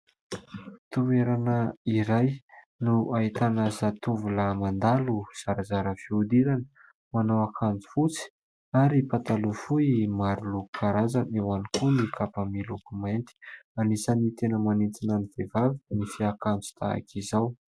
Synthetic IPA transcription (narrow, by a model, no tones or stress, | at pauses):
t̪ueɾanəiɾaj | nuait̪anazat̪uvulamand̪aluz̥aɾazaɾəfiud̪iɾanə̥ | manawakʰand͡zu̥fut͡si̥ | aɾipat̪alufuimaɾuluku̥kʰaɾazanewanikunikʰapamilukumajnt̪i̥anisanit̪enəmanit͡sinaniv̥evavinifiakant͡su̥t̪ʰa̰a̰kʰizaw